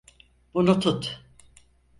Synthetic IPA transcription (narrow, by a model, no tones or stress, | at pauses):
b̥unut̪ʰut̪